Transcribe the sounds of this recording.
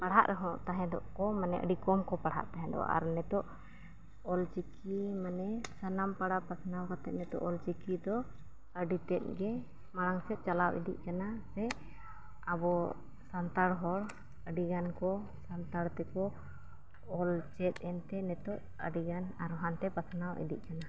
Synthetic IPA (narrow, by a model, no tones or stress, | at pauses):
paɽɦa̰ʔɾɛɦɔ̃ʔt̪aɦɛ̃d̪ɔʔkɔmanɛ̰ʔə̰ɖikɔmkɔpaɽɦa̰ʔt̪aɦɛ̃d̪ɔ̰wa̰ʔa̰ɾnɛt̪ɔʔ | ɔlt͡ʃikʰimanɛsanampaɽapasnawkat̪ɛt̪̚nɛt̪ɔ̰ʔɔlt͡ʃikid̪ɔ | əɖit̪ɛt̪̚ɡɛ | maɽaŋsɛt̪̚t͡ʃalawɛ̰d̪ḭʔ̚ˀkanasɛ | abɔ | sant̪aɽɦɔɽ | əɖiɡankɔ | sant̪aɽt̪ɛkɔː | lt͡ʃɛt̪̚ɛnt̪ɛnɛt̪ɔʔ | ə̰ɖiɡanaɾɦant̪ɛpat̪ʰnawʔɛ̰d̪ḭʔ̚kana